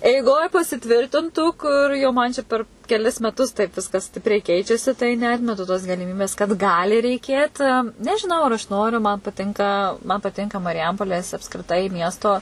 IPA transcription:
ɛɪˈɡoːj pɐsʲɪˈtʲʋʲɪrʲtʲɪntuː ˈkʊr jɛʊ ˈmɐn t͡ʃʲɛ ˈpʲɛr kʲɛˈlʲɪs mʲɛˈtʊs tɐɪp ˈʋʲɪskɐs ˈsʲtʲɪpʲrʲɛɪ ˈkʲɛɪt͡ʃʲɛsʲɪ tɐɪ nʲɛˈɑːtʲmʲɛtʊ toːs ɡɐlʲɪˈmʲiːbʲeːs kɐt ˈɡɑːlʲɪ rʲɛɪˈkʲeːt nʲɛʒʲɪˈnɐʊ ɐr ɐʃ ˈnoːrʲʊ mɐn pɐˈtʲɪŋkɐ mɐn pɐˈtʲɪŋkɐ mɐrʲɪˈjɛmpoːlʲeːs ɐpskrʲɪˈtɐɪ ˈmʲiɛstoː

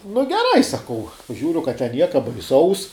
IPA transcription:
nʊ ɡʲɛˈrɐɪ sɐˈkɐʊ ˈʒʲuːrʲʊ kɐt tʲɛn ˈnʲiɛkɐ bɐɪˈsɐʊs

